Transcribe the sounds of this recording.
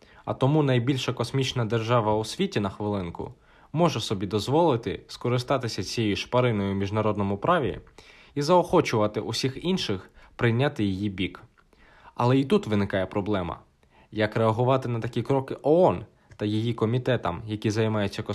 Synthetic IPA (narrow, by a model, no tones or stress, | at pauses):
ɐ̰t̪ɔmunɐjbʲilʲʃɐkɔsmʲit͡ʃnɐd̪erʒɑʋɐusʲʋʲitʲinɐxʋɪlˠɪnkʊ̰ | mɔʒɛsɔbʲid̪ɔzʋɔlˠɪt̪ɪskɔɾɪst̪ɑt̪ɪsʲɐt͡sʲijejiʃpɐɾɪnɔjʊmʲiʒnɐɾɔd̪nɔmʊpɾɑʋʲḭ | izɐɔxɔt͡ʃʊʋɐt̪ɪʔʊsʲixinʃɪxpɾɪjnʲːat̪ɪjijibʲik | ɐlˠɛit̪ut̪ʋɪnɪkɑjɛpɾɔblˠɛmɐ̰ | jɐkɾeɐɦʊʋɑt̪ɪnɐt̪ɐkʲikɾɔkɪʔɔɔn | t̪ɐjijikɔmʲit̪ɛt̪ɐmjɐkʲizɐjmɑjʊt͡sʲːɐkɔ